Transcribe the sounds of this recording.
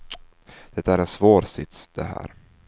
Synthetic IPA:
d̪̥ɛt̪ːaæɾɛnsvoːɾsɪt̪sd̪̥ɛɦæ̰ːɾ

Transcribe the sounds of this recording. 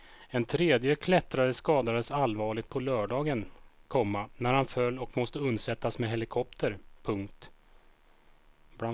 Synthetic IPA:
ɛnt̪ʰɾeːd̪jəkʰlɛt̪ɾad̪əskɑːd̪ad̪əsalvɑːɭɪɡ̚t̪̚pʰɔlœːɖɑːɡənkʰɔmːanæɾhanfœlːɔkmɔst̪əɵnd̪sɛt̪ːasmɛɦɛlɪkʰɔp̚t̪ʰəɾpʰɵŋkt̪ | ba

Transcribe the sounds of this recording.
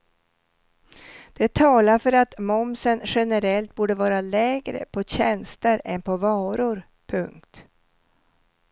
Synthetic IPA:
d̪̥ɛt̪ʰɑːlaɾfœɾat̪mɔmsənɧɛnəɾɛlt̪̚buːɖəvɑːɾalɛːɡɾə̰pʰɔɕɛnst̪əɾɛnpʰɔvɑːɾʊɾ | pʰɵŋkt̪

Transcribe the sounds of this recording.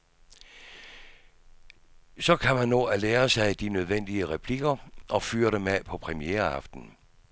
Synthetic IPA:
sɒ̽kʰæmænːo̝̰æleːɐsɑ̈ɪd̥inøð̞ˠʋen̰d̥iəʁɛpʰliɡ̥ɐʔɒ̽fy̰ːɐɾəmepʰɒ̽pʰʁɛmieːɐɑ̈fd̥n̩

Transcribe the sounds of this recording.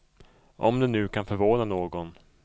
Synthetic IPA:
ʔɔ̰md̪ɛnʉ̟ːkʰanfœɾvoːnanoːɡɔn

